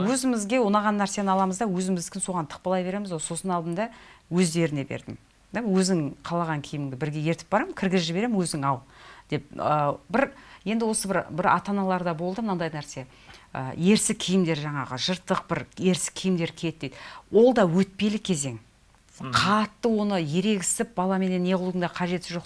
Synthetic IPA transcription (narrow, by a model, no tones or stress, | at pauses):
wɵzɪmɪzɡʲe̞wonɑʁɑnːæɾse̞nɪɑlˠɑməzd̪ɑwɵzɪmɪzɪskʲɪnso̞ʁɑnt̪ʰə̥q̚pɑlˠɑjbe̞ɾe̞mɪzwolˠso̞sənɑlˠd̪əmd̪ɑwɵzd̪e̞ɾɪnebe̞̰ɾd̪ɪm | wɵzɪŋqʰɑlˠɑʁɑŋkʲʰɪjmɪŋd̪ɪbɪɾɡʲe̞je̞ɾt̪ɪp̚bɑɾɑməkʲʰɪɾɡʲɪzʒɪbe̞ɾe̞mɪnwɵzɪŋɑlˠd̪̥e̞p̚əbɪɾje̞nd̪ɪwo̞səbɪɾbɪɾɑ̰t̪ɑnɑlˠɑɾd̪ɑbo̞lˠd̪əmənɑnd̪ɑjnæɾse̞ | ə̰je̞ɾsɪkʲʰːijɪmd̪e̞ɾʒɑɴɑʁəʒəɾt̪ːəq̚bɪɾje̞ɾsɪ̥kʲʰijɪmd̪e̞ɾkʲʰet̪̚ːed̪ɪwo̞lˠd̪ɑwɵt̪̚pe̞lɪkʲʰe̞ze̞ŋ | qʰɑt̪ːəwo̞nəje̞ɾe̞ɡʲɪ̥st̪ɪp̚bɑlˠɑme̞ne̞nːe̞ʁlˠuəŋd̪ɑqʰɑʒe̞t̪ɪʒo̞q